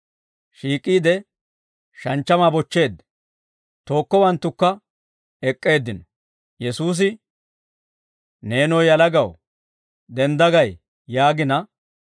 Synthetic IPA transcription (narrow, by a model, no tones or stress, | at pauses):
ʃiːkʼːiːd̪ɛ | ʃɐnt͡ʃːɐmaːbɔt͡ʃːe̞ːd̪ɛ̥ | t̪o̞ːkːɔwɐnt̪ːʊkːɐ | ɛkʼːe̞ːd̪ːɪnɔ | jɛsuːs̬ɪ | ne̞ːnɔjjɐlɐɡɐw | d̪ɛmd̪ɐɡɐj | jaːɡɪnɐ